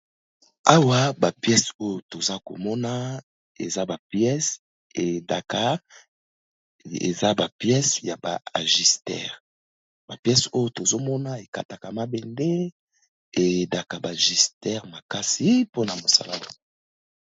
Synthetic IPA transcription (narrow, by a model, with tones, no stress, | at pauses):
a˦wa˦ba˨pjɛ˦so˦jo˨to˨za˦ko̰˨mɔ˦na˦ | ḛ˨za˦ba˨pjɛ˦s | e˨da˨ka˦ | ḛ˨za˦ba˨pjɛ˦sja˨ba̰˨a˨ʒi˨stɛ̰˦ʁ | ba˨pjɛ˦so˦jo˨to˨zo˦mɔ˦na˦e˨ka̰˨ta˨ka˨ma˦bɛ˨nde˦ | e˨da˨ka˨ba˨ʒi˨stɛ˦ʁma˨ka˦si˨˦po˦na˨mo˨sa̰˨la˦o˦˨